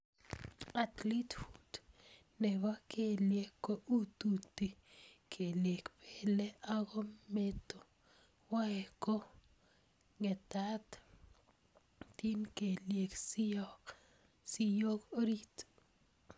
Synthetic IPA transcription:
at̪litfud | nɛɡakeljekːoʔut̪ut̪ːikʰeljekpʰeleaɡɔmet̪o | waɛko | ŋɛt̪at̪ | tinkeljeks | sijokoɾit

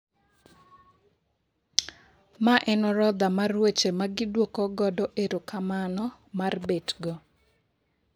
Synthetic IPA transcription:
maʔɛnɔɾɔd̪amarwet͡ʃemaɡɪdwokɔɡɔdɔʔeɾokamanɔ | marbetɡɔ

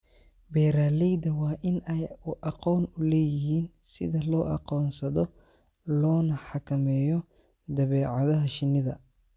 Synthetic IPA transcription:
bɛjɾaːlɛjd̪ɐwɑːʔɪnɛjʊʔɑqɔːnʊlɛːjɪɦiːn | sɪ̰ðɐlɔːʔɑ̰qɔːnsɐðɔ | lɔːnɐħɑkʰɐmɛːjɔ | d̪ɐβɛːʕɑðɐɦɐʃɪnːɪðɐ̰

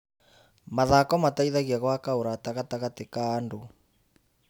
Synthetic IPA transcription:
maðakɔmataiðaɣiaɣwakaoɾataɣataɣatekaːndo

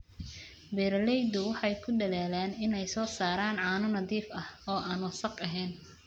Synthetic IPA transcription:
bɛːɾlɛjd̪ʊwɑħɑjkʰʊdɐlaːlaːnɪnɛjsɔːsaːɾaːnʕɑːnʊnɐðiːfɐhɔːʔaːnwɐsɐqɐɦɛːn

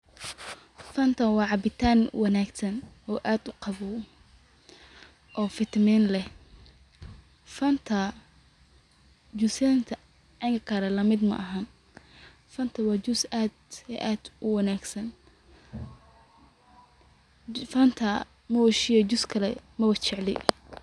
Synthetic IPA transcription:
fɐnt̪ʰɐnwɑːʕɑbɪt̪ʰaːnwɑnaːɡsɐnʔɔːʔaːd̪ʊqɑβɔ | ʔɔːfɪt̪ʰmɛːnlɛh | fɐnt̪ʰɐ | d͡ʒʊsant̪ʰɐ | ɐŋkʰɐkʰɐɾɐlɐmɪd̪mɐ̰ʔɐɦɐn | fɐnt̪ʰɐwɑːd͡ʒʊsaːd̪ɛ̰ʔaːd̪̥ʔʊwɐnaːɡsɐn | fɐnt̪ʰɐ | mɐwɐʃɪjɐd͡ʒʊskʰɐlɛmɐwɐt͡ʃɪʕlɛ̰j

